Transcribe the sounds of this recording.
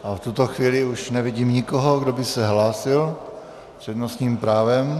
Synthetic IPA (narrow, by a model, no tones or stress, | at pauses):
ʔaft̪ut̪oxviːlɪuʃnɛvɪɟiːmɲɪkoɦoɡdobɪsɛɦlaːsɪl | pr̥ɛdnosɲiːmpɾaːvɛm